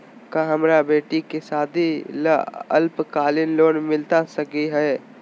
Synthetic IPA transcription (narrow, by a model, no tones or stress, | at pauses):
kaɦɐmɾabeːʈikesaːd̪ʱilaə̰lpkaːlɪnloːnmɪlt̪asɐkiɦɛː